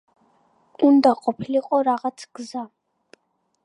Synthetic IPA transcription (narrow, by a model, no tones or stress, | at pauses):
und̪aqʼɔpʰiliqʼɔɾaʁat̪sʰɡ̥za